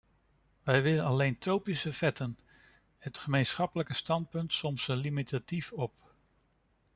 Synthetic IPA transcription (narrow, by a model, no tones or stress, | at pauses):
ʋɛjʋɪlənɑlejntrowpisəv̥ɛtən | ɦətχəmejnsχɑpələkəstɑnt̚pɵntsɔmsəlimitatifɔp